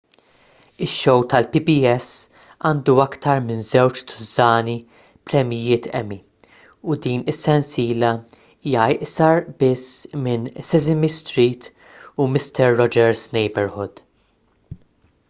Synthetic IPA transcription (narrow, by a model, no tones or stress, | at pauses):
ɪʃːɔwt̪ɐlpibiɛs | ɐːnd̪uɐkt̪ɐɾmɪnzɛwt͡ʃt̪ʰʊ̥zɐːni | pɾɛmɪjɪːt̪ʰɛ̰mi | ud̪iːnɪsːɛnsiːlɐ | iːjɐɪʔsɐɾbɪsmɪnsɛzɪmist̪ɾiːt̪ | umɪst̪ɛɾːɔd͡ʒɛɾsnɛjbɛɾhɔd̪